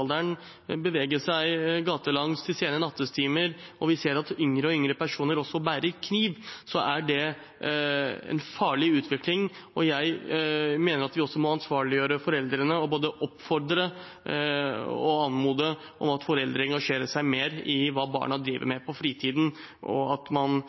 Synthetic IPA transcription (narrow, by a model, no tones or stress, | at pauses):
ld̪æɳ | bəʋeːɡəʂæɪɡɑːt̪əlɑŋst̪ɪseːnənɑt̪ːəst̪ʰiːməɾɔʋɪseːɾɑt̪ʏŋɾəɔʏŋɾəpæʂuːnəɾɔsːɔbæːɾəɾkʰniːʋsɔʔæɖɛ | ɛ̰nfɑːɭɪʉːt̪ʰʋɪklɪŋɔjæɪmeːnəɾɑt̪ʋɪɔsːɔmɔɑnsʋɑːɭɪjøːɾəfɔɾɛld̪ɾənəɔboːd̪əʔɔpfɔɾd̪ɾə | ɔ̰ɑnmuːd̪ə | ʔɔ̰mɑt̪fɔɾɛld̪ɾəɛŋɡɑʂeːɾəʂæɪmeːɾɪʋɑːbɑ̰ːɳɑd̪ɾiːʋə̰ɾmɛpʰɔfɾiːt̪ʰiːd̪n̩ | ʔɔ̰ɑt̪mɑn